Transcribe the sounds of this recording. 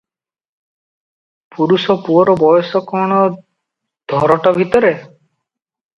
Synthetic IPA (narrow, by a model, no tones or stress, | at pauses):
puɾusɔpuɔɾɔbɔjɔsɔkɔɽ̃ɔ | d̪̥ʱɔɾɔʈɔbʱit̪ɔɾe